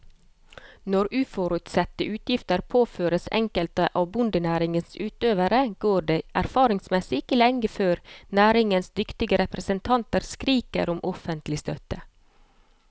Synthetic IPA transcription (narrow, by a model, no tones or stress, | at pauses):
nɔɾʉːfɔɾʉt̪sɛt̪ːəʔʉːt̪jɪft̪əɾpʰoːføːɾəsɛ̰ŋkəlt̪əʔɑːʋbʊnd̪ənæːɾɪŋənsʉːt̪øːʋəɾəɡ̥oːɖeːʔæɾfɑːɾɪŋsmɛsɪɪkəlɛŋɡəføːɾnæːɾɪŋənsd̪ʏkt̪ɪɡəɾɛpɾəsənt̪ʰɑnt̪əɾskɾiːkə̰ɾɔmʔɔfənt̪lɪst̪œt̪ə